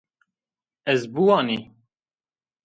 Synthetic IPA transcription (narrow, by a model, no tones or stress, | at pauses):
ɛzbuwɑːni